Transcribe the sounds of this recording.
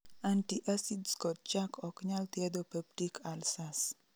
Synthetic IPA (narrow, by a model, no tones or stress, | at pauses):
antiʔasidskɔt̪̚t͡ʃakʰɔkɲalt̪ied̪opɛb̚ʈikʰalsas